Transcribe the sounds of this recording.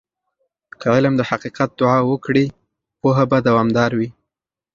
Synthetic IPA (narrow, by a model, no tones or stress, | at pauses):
kəʕɪlamd̪əhaqiqat̪̚d̪ʊʕɑwəkɽi | poɦabad̪awɑmd̪ɑɾwi